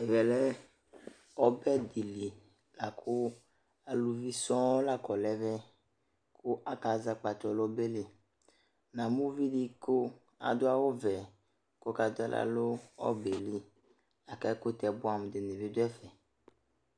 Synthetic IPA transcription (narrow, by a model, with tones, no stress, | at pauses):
e˨vɛ˨lɛ˦ | ɔ˦bɛ˦d̪i˨li˨ | la˨kʰo˦ | a˨lu˨vi˦sɔ̃˦o˦la˦kɔ˨lɛ˦vɛ˦ | kʰo˦ʔa˨ka˨za˦k͡pa˨t̪ɔ˨lɔ˦be˦le˨ | nã˨mũ˦vi˦ɖi˦ko˦ | a̰˨d̪o˦a˦wo˦vɛ˨ | ko˦ka˨d̪ɛ̰˦la̰˦lo˦ɔ̰˦be˨li˦ | a˨ka˦ko˦t̪ɛ˨bo˦a˨m˨d̪e˨ne˨ve˦d̪o˦ɛ˦fɛ˨